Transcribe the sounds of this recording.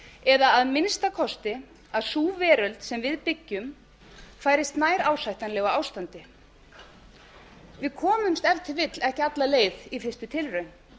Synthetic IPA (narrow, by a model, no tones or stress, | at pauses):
ɛðaːðmɪnst̪akʰɔst̪ɪ | aðsuːvɛːɾœlt̪sɛmvɪðpɪcːʏm | faːjɾɪst̪naːjɾaːwsajht̪anlɛɣaaːwst̪ant̪ɪ | vɪðkʰɔːmʏmst̪ɛft̪ʰɪvɪt̪lɛhcɪat̪laleːjðifɪr̥st̪ʏt̪ʰɪlrœɥn